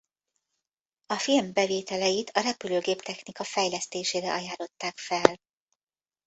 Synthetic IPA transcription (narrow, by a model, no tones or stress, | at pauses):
ɒfilmbɛveːt̪ɛlɛjit̪ʰɒɾɛpyløːɡeːpt̪ɛxnikɒfɛjlɛst̪eːʃeːɾɛʔɒjaːlo̞t̪ːaːkfɛl